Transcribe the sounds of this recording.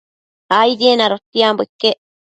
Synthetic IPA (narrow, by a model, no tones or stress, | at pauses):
aid̪ienaɾot̪ːiambekːe